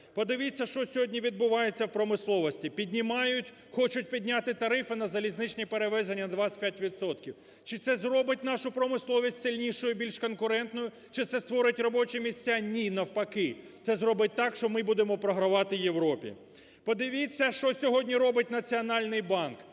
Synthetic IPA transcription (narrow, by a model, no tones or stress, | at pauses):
pɔd̪ɪʋit͡sʲːɐʃt͡ʃɔsʲɔɦɔdʲnʲiʋʲid̪̚bʊʋɑjet͡sʲːɐwpɾɔmɪslˠɔʋɔsʲtʲipʲidʲnʲimɑjʊtʲ | xɔt͡ʃʊtʲpʲidʲnʲat̪ɪt̪ɐɾɪfɪnɐzɐlʲiznɪt͡ʃnʲipeɾeʋɛzenʲːɐd̪ʋɑpʲjatʲʋʲit̪sɔt̪kʲiw | t͡ʃɪt̪sɛzrɔbɪtʲnɑʃʊpɾɔmɪslˠɔʋʲisʲtʲsɪlʲnʲiʃʊjʊbʲilʲʃkɔnkʊɾɛnt̪nɔjʊ | t͡ʃɪt̪sɛst̪ʋɔɾɪtʲrɔbɔt͡ʃɛmʲisʲt͡sʲanʲinɐwpɐkɪt̪sɛzɾɔbɪt̚ʲt̪ɑkʃt͡ʃɔmɪbud̪emɔpɾɔɦɾɐʋɑt̪ɪje̞wɾɔpʲḭ | pɔd̪ɪʋʲit͡sʲːɐʃt͡ʃɔsʲɔɦɔdʲnʲiɾɔbɪtʲnɐt͡sʲiɔnɑlʲnɪjbɑnk